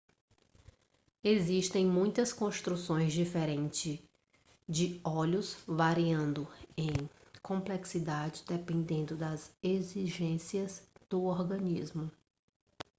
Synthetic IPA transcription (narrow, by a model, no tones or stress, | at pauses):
eziʃt̪ẽj̃mũj̃t̪ɐskõst̪ɾusõj̃zd͡ʒifeɾẽnt͡ʃɪ | d͡ʒɪɔʎʊsvaɾiɐ̃nd̪ʊẽj̃kõmpleksid̪ad͡ʒɪd̪epẽnd̪ẽnd̪ʊd̪ɐzeziʒẽsiɐzd̪̥ʊɔɾɡɐ̃nizmʊ